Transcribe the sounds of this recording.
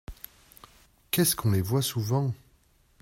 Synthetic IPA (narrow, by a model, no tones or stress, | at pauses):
kɛskɔ̃levwasuvɑ̃